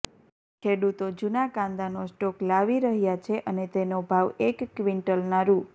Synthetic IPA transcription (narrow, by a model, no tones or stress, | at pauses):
kʰeɽut̪od͡ʒunakãnd̪anosʈoklaʋiɾəɦjat͡ʃʰeʔənet̪enobʱaʋekːʋiɳʈəlnaɾu